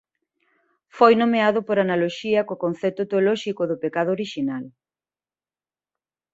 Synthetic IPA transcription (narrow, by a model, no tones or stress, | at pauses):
fojnomeaðʊpoɾanaloʃiɐkokon̟θɛt̪ʊt̪eolɔʃikʊðʊpekaðʊoɾiʃinal